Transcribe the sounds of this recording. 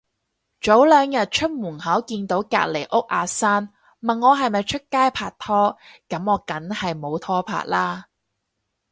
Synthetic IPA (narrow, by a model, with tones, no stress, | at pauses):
t͡ʃo˨˥wlœː˨˧ŋjɐ˨t̚t͡ʃʰɵ˥t̚muː˨˩nhɐ˨˥wkiː˧nt̪o˨˥wka̰ː˧t̚le˨˩jʔʊ˥k̚ʔaː˨˧saː˥n | mɐ˨nːɔː˨˧ɦɐ˨jmɐ˨jt͡ʃʰɵ˥t̚kaː˥jpʰaː˧t̚t̪ʰɔː˥kɐ˨˥mɔː˨˧kɐ˨˥nhɐ˨jmo˨˧wt̪ʰɔː˥pʰa̰ː˧˨t̚laː˥